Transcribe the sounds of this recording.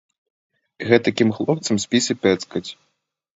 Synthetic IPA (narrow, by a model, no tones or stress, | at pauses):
ɣɛt̪ɐkʲimxlˠɔp̚t̪sɐmsʲpʲisʲɨpʲɛt̪skɐt͡sʲ